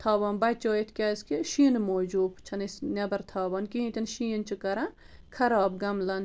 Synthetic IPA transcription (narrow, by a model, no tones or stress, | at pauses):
t̪ʰaːʋaːnbɐt͡ʃoːjit̪ʰkʲaːskeʃiːnmoːd͡ʒuːbt͡ʃʰɐnisnʲɐbɐɾt̪ʰaːʋɐnkiĩt̪ʲɐnʃiːnt͡ʃʰɨkɐɾã | kʰɐɾaːb̚ɡɐmlɐn